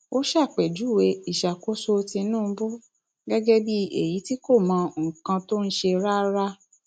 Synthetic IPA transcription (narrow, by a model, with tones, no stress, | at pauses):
o˦ʃa˦˨k͡pɛ˨d͡ʒu˨˦˨we˧i˨ʃa˨ko˨˦so˧tĩ˧˦nũː˦˧˦bu˦ | ɡɛ˦ɡɛ˦bi˦ḛ˦˨ji˨˦ti˦ko˦˨mã˨˧ŋ̩˨kã˧to˦n̩˦ʃe˧ɾa˦ɾa˦